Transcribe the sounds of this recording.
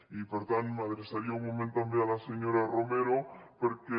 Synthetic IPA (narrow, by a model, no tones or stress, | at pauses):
ipoɾt̪anmeaðeɾesaɾiauŋmomẽnt̪ambealaseɲoɾaromeɾopoɾke